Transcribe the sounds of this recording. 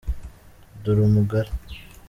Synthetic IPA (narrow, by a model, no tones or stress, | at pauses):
d̪uɾumuɡaɾ